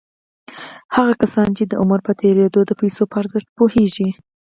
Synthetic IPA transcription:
haɣakasɑnt͡ʃed̪əʔʊməɾpət̪ʰeɾed̪od̪əpajsopəaɾzəʃt̪̚poheʒi

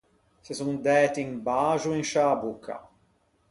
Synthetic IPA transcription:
sesund̪ɛːt̪iiŋbaːʒuiŋʃabukʰːa̰

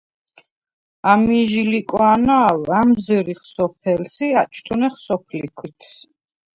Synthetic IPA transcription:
amiʒilikʼɔanaːlamzɾiχsɔpʰɛlsiat͡ʃʰt̪ʰunɛχsɔpʰlikʰwit̪ʰ

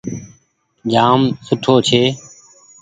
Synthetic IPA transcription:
d͡ʒaːmsʊʈʰoːt͡ʃʰeː

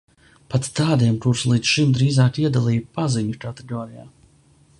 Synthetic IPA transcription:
pat̪t̪aːd̪iɛmt̪uɾslˠiːd̪sʃimd̪ɾiːzaːkiɛd̪alˠiːpaziɲukat̪eɡɔːɾija̰ː

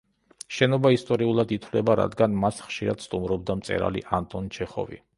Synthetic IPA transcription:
ʃɛnɔbaist̪ʼɔɾiulˠad̪it̪ʰwlɛbaɾa̰d̪ɡanmasχʃiɾad̪̥st̪ʼumɾɔbd̪amt̪sʼɛ̰ɾa̰lḭʔant̪ʼɔnt͡ʃʰɛχɔ̰vḭ

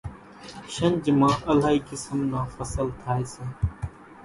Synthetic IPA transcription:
ʃɐnd͡ʒmaːɐlaːikɪsəmnaːfɐsəlt̪ʰaːesɐ

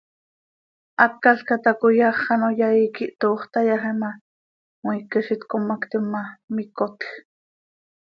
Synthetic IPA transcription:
ʔɑt̪̚kaɬkat̪akojɑχːɑnojaikiʔt̪oːχt̪ɑjɑχɛmɑ | mwikɛʃit̪komakt̪imːɑmikot̪x

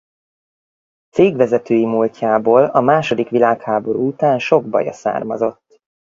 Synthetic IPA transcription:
t̪seːɡʋɛzɛt̪øːjimuːlcaːboːlɒmaːʃo̞d̪ikʋilaːkhaːbo̞ɾṵːut̪aːnʃo̞ɡ̚bɒ̰jɒ̰sa̰ːrmɒzo̞t̪ː

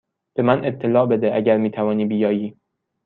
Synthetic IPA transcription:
b̥e̞mæne̞p̚t̪ʰːe̞lɒːbe̞d̪eʔæɟæɾmiːt̪ʰævɒːniːbijɒːjiː

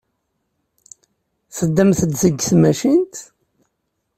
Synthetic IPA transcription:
fəd̪ːæmθəd̪səɡθmæʃint̪

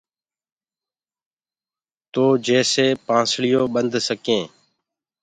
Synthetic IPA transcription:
t̪oːd͡ʒeːseːpãːsɭɪjõːɓənd̪ʱsəkẽː

